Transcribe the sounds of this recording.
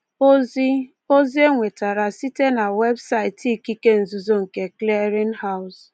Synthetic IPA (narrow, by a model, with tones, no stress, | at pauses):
o˦zi˦ | o˦zi˦e˦ŋʷe˨ta˨ɾa˨si˦te˦na˨we˦bsa˦ɪ˨ti˦ki˦ke˦n̩˨zu˨zo˦ŋ̩˨ke˨kle˦ɾɪ˦n˦ha˦ʊ˦s